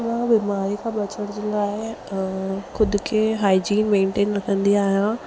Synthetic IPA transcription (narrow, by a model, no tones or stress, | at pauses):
ʋãbɪmaːɾikʰãːbɐt͡ɕəɽ̃d͡ʑeːlɡaːɪ | xʊd̪ʊkʰeɦaːid͡ʑiːnmẽːɳʈeːnːɐkɐ̃nd̪iaːɦijã